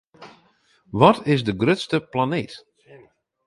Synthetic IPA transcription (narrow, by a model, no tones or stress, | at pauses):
ʋɔtʰɪsdəɡrøtstəplaneːt